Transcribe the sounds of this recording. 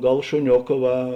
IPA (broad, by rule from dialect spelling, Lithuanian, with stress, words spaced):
ˈɡɐlˠ ʃʊˈnʲoːkɐ ˈʋɐ